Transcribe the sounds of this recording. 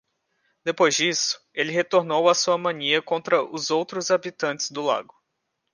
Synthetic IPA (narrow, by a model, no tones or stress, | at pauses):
d̪̥epojzd͡ʒisʊ̥elɪɦet̪oɾnowɐsuɐmɐ̃niɐkõnt̪ɾɐʔʊzowt̪ɾʊzabit̪ɐ̃t͡ʃɪ̥zd̪ʊla̰ɡʊ